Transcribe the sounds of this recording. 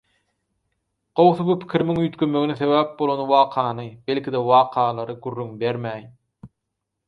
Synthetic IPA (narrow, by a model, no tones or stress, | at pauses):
ɢ̥owθubupʰi̥kʲʰiɾimiŋjyːt̪kømøɡiniθe̞βæːp̚bo̞lˠonwɑːqʰɑːnɯbe̞lʲkʰʲid̪ewɑːqʰɑːlˠɑɾɯɡyɾːyŋbe̞ɾmæːj